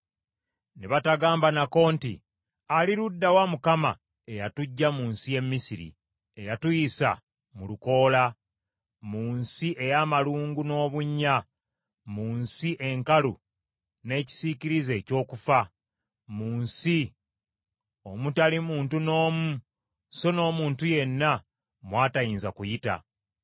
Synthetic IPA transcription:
neβataɡaːmbanako̞ːntḭ | aliɾudːawamukama̰ | e̞jatuɟːamuːnsije̞mːisiɾḭ | ejatujisa̰ | muluko̞ːla | muːnsiʔe̞jamaluːŋɡuno̞ːβuɲːa | muːnsiʔe̞ŋkalu | ne̞ːci̥siciɾize̞ːco̞ːkufa | muːnsi | o̞mutalimuːntuno̞ːmu | so̞no̞ːmuːntuje̞nːa | mwaːtajiːnzakujita̰

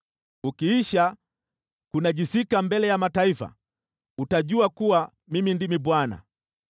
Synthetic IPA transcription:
ukiiʃa | kunaʄisikambɛlɛjamataifa̰ | utaʄuakuwa | mimindimibwana̰

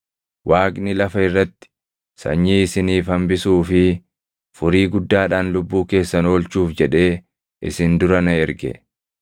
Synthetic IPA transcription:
wʔaːkʼnɪlɐfɐɪrːɐt̪ːɪ̥ | sɐ̰ɲːiːɪsɪniːfɐmbɪsuːfɪ | fʊɾiːɡʊd̪ːaːᶑaːnlʊbːuːke̞ːsːɐno̞ːlt͡ʃuːfd͡ʒɛᶑe̞ː | ʔɪ̰sɪnd̪ʊɾɐnɐɛɾɡɛ̰

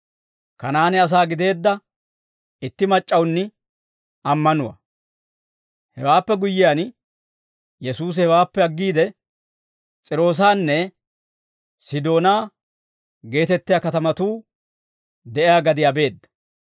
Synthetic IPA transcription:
kɐnaːnɪɐs̬aːɡɪd̪e̞ːd̪ːɐ | ɪt̪ːɪmɐt͡ʃʼːɐwnːɪ | ɐmːɐnʊwɐ̰ | hɛwaːpːɛɡʊjːɪjaːn | jɛsuːs̬hɛwaːpːɛɐɡːiːd̪ɛ | t͡sʼɪɾo̞ːs̬aːnːɛ | sɪd̪o̞ːnaː | ɡe̞ːt̪ɛt̪ːɪjaːkɐt̪ɐmɐt̪uː | d̪ɛʔɪjaːɡɐd̪ɪjabe̞ːd̪ːɐ̥

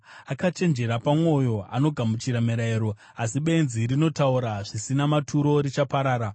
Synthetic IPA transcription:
akat͡ʃe̞nd͡ʒe̞ɾapamwo̞jo̞a̰no̞ɡʱamut͡ʃiɾameɾaeɾo̞ | asiɓe̞nziɾino̞tauɾaʐisinamatʰuɾo̞ɾit͡ʃapaɾaːɾa

